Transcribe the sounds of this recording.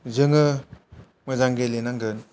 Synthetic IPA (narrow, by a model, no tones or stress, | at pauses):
zɯŋɯ | mɯzaŋɡelenaŋɡɯn